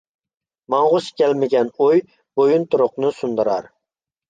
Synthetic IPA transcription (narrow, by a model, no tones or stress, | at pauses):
mɑɴʁʊskʲʰɛlmɪɡʲɛnoj | b̥ojunt̪ʰʊɾʊqnɨsʊnd̪ɨɾɑɾ